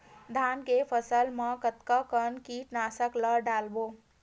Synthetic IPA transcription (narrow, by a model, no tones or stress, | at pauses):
d̪ʱaːnkepʰəsəlməkət̪kəkənkiːʈnaːsəkləɖaːlbo